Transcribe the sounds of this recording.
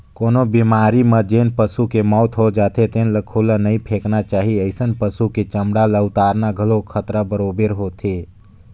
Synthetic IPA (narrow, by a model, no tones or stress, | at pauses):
koːnobimaːɾiməd͡ʒeːnpəsukemɔːt̪ɦod͡ʒaːt̪et̪enləkʰoːlənəĩpʰeːknat͡ʃaːɦiəɪsənpəsuket͡ʃəmɽaləʊt̪aːɾnaɡʱəlokʰət̪ɾabəɾoːbəɾɦot̪ʰe